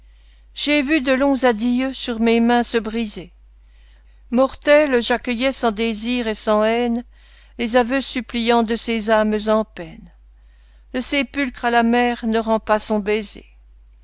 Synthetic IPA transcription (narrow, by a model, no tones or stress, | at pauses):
ʒ̥evyd̪əlɔ̃zad̪ijøsyʁmemɛ̃səbʁize | mɔʁt̪ɛlʒakʲəjɛsɑ̃d̪eziʁesɑ̃ɛn | lezavøsyplijɑ̃d̪əsezamzɑ̃pɛn | ləsepylkχalamɛʁnəʁɑ̃pasɔ̃bezḛ